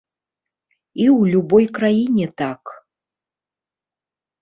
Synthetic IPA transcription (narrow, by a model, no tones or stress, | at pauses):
iwlʲubɔjkɾajinʲɛt̪ak